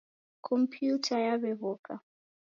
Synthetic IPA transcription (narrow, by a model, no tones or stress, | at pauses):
kʰɔmpʰjutʰajaβɛβɔkʼa